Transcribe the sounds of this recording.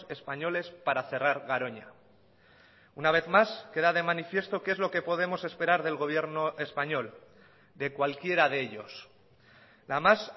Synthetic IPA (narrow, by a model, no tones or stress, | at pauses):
e̞spaɲo̞le̞spaɾaθe̞raɾɣaɾo̞ɲa | unaβ̞e̞θmaske̞ðaðe̞manifje̞st̪o̞ke̞zlo̞ke̞po̞ð̞e̞mo̞se̞spe̞ɾaɾðe̞lɣo̞β̞je̞ɾno̞e̞spaɲo̞l | d̪e̞kwalkje̞ɾaðeeʎo̞s | lamas